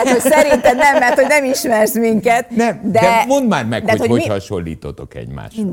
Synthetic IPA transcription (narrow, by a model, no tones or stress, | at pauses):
t̪ho̥sɛɾint̪ɛnnɛmːɛrt̪ho̞ɟnɛmiʃmɛrsmiŋkɛt̪nɛmd̪ɛd̪ɛmo̞nd̪maːrmɛkd̪ɛat̪hooihɒʃolːḭːt̪ot̪okɛ̰ɟma̰ːʃ